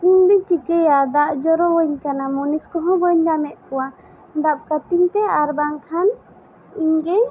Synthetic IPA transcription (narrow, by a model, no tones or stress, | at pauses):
iɲd̪it͡ʃikəjad̪aʔd͡ʒɔɾɔbɔɲkanamuniskɔɦɔ̃bɔɲdamɛʔ̪̚kɔwa | d̪ap̚kat̪iɲt̪ɛaɾbaŋkʰan | iɲɡej